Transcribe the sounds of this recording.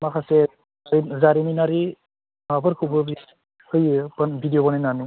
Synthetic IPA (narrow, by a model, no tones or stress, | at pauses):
makʰase | zaɾininaɾi | abɯɾkʰubɯbi | hɯjbanbʱidijɔbanajnani